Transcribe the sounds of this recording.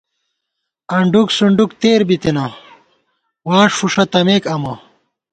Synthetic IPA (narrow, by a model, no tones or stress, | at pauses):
ɐɳɖuksuɳɖukt̪eːɾbit̪inɐ | waːʂfuʂɐt̪ɐmeːkɐmɐ